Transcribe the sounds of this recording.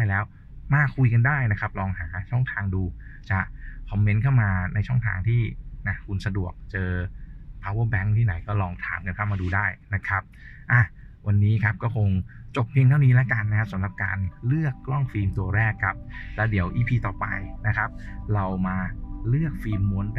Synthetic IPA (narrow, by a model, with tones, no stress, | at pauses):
daː˥˩jlɛː˦˥w | maː˧˩kʰu˧jka˧ndaː˥˩jna˦˥kʰa˦˥p̚lɔː˧ŋɦaː˩˦t͡ɕʰɔ˥˩ŋt̪ʰaː˧ŋduː˧t͡ɕa˨˩kʰɔ˧mːe˦˥nkʰa˥˩wmaː˧na˧jt͡ɕʰɔ˥˩ŋt̪ʰa̰ː˧ŋt̪ʰiː˥˩na˦˥kʰu˧nsa˧du˨˩ək̚t͡ɕɤː˧pʰaː˦˧˥wɤː˥˩bɛ˦˥ŋt̪ʰiː˥˩na˩˦jkɔː˥˩lɔː˧ŋt̪ʰaː˩˦mka˧nkʰa˥˩wmaː˧duː˧daː˥˩jna˦˥kʰa˦˥p̚ | ʔa˧˩ | wa˧nːiː˦˥kʰa˦˥p̚kɔː˥˩kʰo˧ŋt͡ɕo˨˩p̚piː˧nt̪ʰa˥˩wniː˦˥lɛː˦˥ka˧nːa˦kʰa˦˥p̚sa˨˦mɾa˨˩p̚ka̰ː˧nlɯ˥˩əkːlɔ˥˩ŋfiː˧mt̪u˧ɐɾɛː˥˩kʰːa˦˥p̚lɛː˦˥wdi˨˩˦əwʔiː˧pʰiː˧t̪ɔː˨˩pa˧jna˦˥kʰa˦˥p̚ɾa˧wmaː˧lɯ˥˩ək̚fiː˧mːu˧˦ən